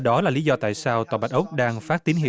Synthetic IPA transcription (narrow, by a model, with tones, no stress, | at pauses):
ɗɔ˨˦laː˨˩li˨˦zɔ˧t̪a̰ː˧˨jsaː˧wt̪ɔː˨˩ɓa˨˩t̚ʔə˦˥k͡p̚ɗaː˧ŋfaː˦˥t̚t̪i˨˦ənɦḭ˧˨